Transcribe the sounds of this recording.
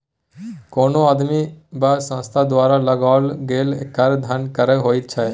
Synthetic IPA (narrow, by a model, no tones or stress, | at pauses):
koːnoaːd̪mibasə̃ːst̪ʰad̪waːɾaləɡaːlɡeːlekːəɾd̪ʱənkəɾeɦoːit̪̚t͡ʃʰə